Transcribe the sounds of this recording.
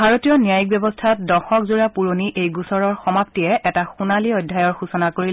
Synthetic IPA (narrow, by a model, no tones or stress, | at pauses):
bʱaɹotijɔnijajik̚bjɔbɔstʰat̚dɔxɔkzuɹapuɹoniʔejɡusɔɹɔɹxɔmap̚tiɛʔɛtaxunaliɔjdʱajɔɹxusɔnakoɹi